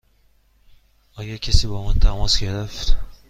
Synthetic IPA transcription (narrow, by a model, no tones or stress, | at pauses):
ɒːɡæɾcʲʰesiːbɒmɒnt̪ʰæmɒsɡe̞ɾeft̪